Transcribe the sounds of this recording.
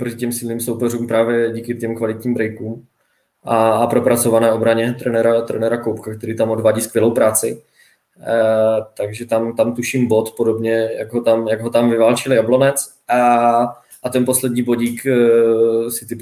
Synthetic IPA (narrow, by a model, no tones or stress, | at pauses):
pɾocɪcɛmsɪlniːmso̞wpɛɾuːmpɾaːvjɛɟiːkɪt̪ɛmkvalɪt̪ɲiːmbɾɛjkuːm | ʔaːpɾopɾat͡so̞vanɛːʔo̞bɾaɲɛt̪ɾɛnɛɾat̪ɾɛ̰nɛɾakowpkakt̪ɛɾiːt̪amʔodvaːɟiːskvjɛlowpɾaːt͡sɪ | t̪aɡʒɛt̪amt̪amt̪uʃimbo̞t̪podo̞bɲɛjaɡɦot̪amjaɡɦo̞t̪amvɪvaːlt͡ʃɪljablo̞nɛt͡s | ʔa | ʔat̪ɛnpo̞slɛd̪ɲiːbo̞ɟiːk | sɪt̪ɪ